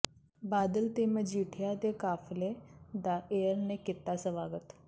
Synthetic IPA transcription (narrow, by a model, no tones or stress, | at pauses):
baːd̪əlt̪eːmə̃d͡ʒiːʈʰɪjat̪eːkaːfled̪aːʔeːəɾnekɪt̪ːaːsəʋaːɡət̪